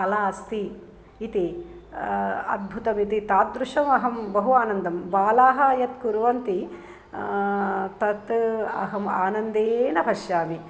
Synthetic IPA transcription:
ɐlaːɐst̪iː | t̪i | ɐ̰d̪̚bʱut̪ɐmit̪it̪aːt̪̚d̪ɾuʂɐmɐɦɐmbɐɦuaːnɐnd̪ɐmʋaːlaːɦɐjɐt̪kuɾʋɐnt̪i | t̪ɐt̪ɐ̰ɦɐmaːnɐnd̪eːnɐbʱɐʃjaːmi

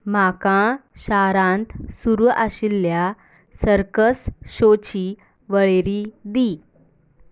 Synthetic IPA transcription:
m̤akãɕaɾãnt̪suɾʔaɕilːja | səɾkəsɕot͡ɕiː | ʋəɭeɾid̪i

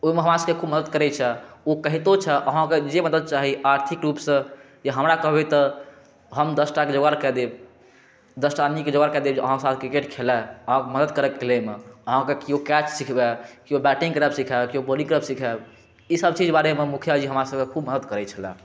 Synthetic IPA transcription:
oimeɦəmɾasəbkekʰubməd̪əd̪̚kəɾɛt͡ʃʰɛokəɦit̪ot͡ʃʰɛʔəɦãked͡ʒeməd̪əd̪̚t͡ʃaɦiaɾt̪ʰikɾupsə̃ | d͡ʒeɦəmɾakəɦbet̪ɔ | ɦəmd̪əsʈaked͡ʒoɡaɾkɛd̪eb | d̪əsʈaniked͡ʒoɡaɾkɛd̪ebd͡ʒeəɦãkesat̪ʰkɾikeʈkʰelɛəɦãkeməd̪əd̪kəɾəkːelemeəɦãkekiokɛt͡ʃsikʰbɛkiobɛʈĩŋɡkɾəbsikʰɛbkiobolĩŋkɾəbsikʰɛb | isəbt͡ʃid͡ʒbaɾememukʰjad͡ʒiɦəmɾasəb̚kekʰubməd̪əd̪kəɾɛt͡ʃʰəlɛ̃

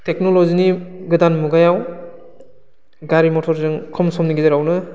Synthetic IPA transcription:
tek̚nɔlɔziniɡɯdanmuɡajaw | ɡaɾimɔtʰɔɾzɯŋkʰɔmsɔmniɡizeɾawnɯ

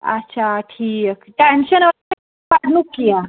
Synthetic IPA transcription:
a̰tːɕʰaʈʰiːkʈenɕəna | aɽnukːija

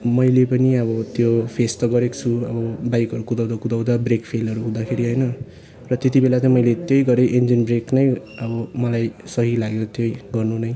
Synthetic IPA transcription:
mʌjlepʌniʌβʌt̪jopʰest̪ʌɡʌɾekt͡sʰuʌbʌbajkʌɾukud̪ʌw̃d̪akud̪ʌwd̪abrekpʰelʌɾuɦũd̪akʰeɾiɦʌjnʌ | rʌt̪et̪ibelat͡sʌj̃mʌjlet̪jʌjɡʌɾeʔend͡zinbreknʌjʌbʌmʌlajsʌɦilaɡjot̪jejɡʌrnunʌj

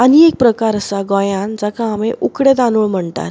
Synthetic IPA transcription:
aniek̚pɾəkaɾəsaɡɔ̃jãnd͡zəkʰãːmeʔukɽet̪anuɭm̤əɳt̪a̰t̪̚

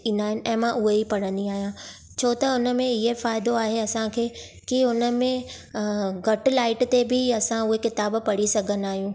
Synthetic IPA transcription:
ĩːnd̪aːɦɪnɪ̆ʔɛ̃ːmãʔʊɦeipɐɽə̃nd̪iaːɦijã | t͡ɕʰoːt̪ɐʊnə̆mẽɪɦefaːɪd̪oaːɦeɐsãkʰeː | kiʊnə̆mẽ | ɡʱɐʈlaːɪʈt̪ebʱɪɐsãʊɦekɪt̪aːbpɐɽ̤isɐɡʱə̃nd̪aːɦijũː

